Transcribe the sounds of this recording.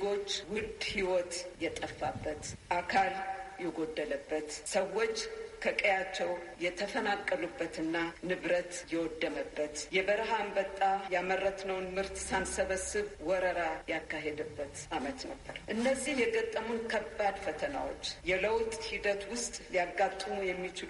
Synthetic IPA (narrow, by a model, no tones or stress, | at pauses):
ɡo̞t͡ʃːwʊd̪hiwot̪jɛt̪ʼəfːabːət̪ʔakʰaljɛɡod̪ːələbːət̪səwːo̞t͡ʃːkʰəkʼəjat͡ʃːɛwjɛt̪ʰəfənakʼːəlubːət̪ɨnːanɨβɾət̪jɛwɔd̪ːəməbːət̪jɛbəɾɦambət̪ʼːajamərːət̪nəwnmɨɾt̪sansəβəsɨβwɔɾəɾajakːaɦed̪əbːət̪ʔamət̪nə̰bːəɾʔɨnːəzːihjɛɡət̪ʼːəmunkʰəbːad̪fət̪ʰəna̰wo̰t͡ʃːjɛləwt̪ʼhid̪ət̪wʊst̪ʼjaɡːat̪ʼːujɛmːit͡ʃɪl